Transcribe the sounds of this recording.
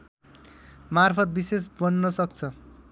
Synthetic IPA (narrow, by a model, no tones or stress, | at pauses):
marpʰʌt̪̚bisesbʌnːʌsʌk̚t͡sʰʌ